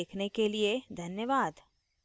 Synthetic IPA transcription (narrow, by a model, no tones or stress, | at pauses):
eːkʰnekelied̪ʱɐnjəʋaːd̪